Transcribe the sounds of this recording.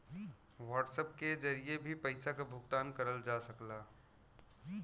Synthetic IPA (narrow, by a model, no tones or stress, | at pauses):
ʋaːʈsəp̚ked͡ʒəɾiebʱipəɪsakabʱʊɡt̪aːnkəɾəld͡ʒasəklaː